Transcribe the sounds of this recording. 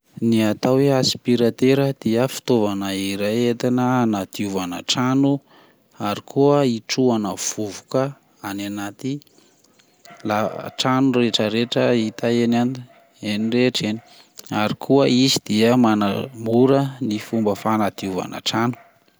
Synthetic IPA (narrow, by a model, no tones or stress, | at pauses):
niat̪aweaspiɾat̪eɾəd̪̥iəfi̥t̪ovanaiɾaet̪anəanad̪iuvanəʈ͡ʂanu | aɾikʰuəiʈ͡ʂuanəv̥uvukə | ananat̪i | laʈ͡ʂanureʈ͡ʂəɾeʈ͡ʂəit̪aenan | enireʈ͡ʂeni̥ | aɾikʰuəisid̪̥iəmanəmuɾənifumbəfanad̪iuva̰nə̰ʈ͡ʂanu̥